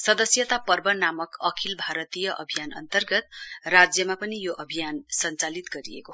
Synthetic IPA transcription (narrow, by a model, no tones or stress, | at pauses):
sʌd̪ʌsjʌt̪apʌrbʌnamʌkʌkʰilbʱaɾʌt̪ijʌʔʌ̰bʱijanʌ̰nt̪ʌrɡʌt̪̚rad͡zjʌmapʌnijoʔʌbʱijansʌnt͡salit̪ɡʌɾḭḛko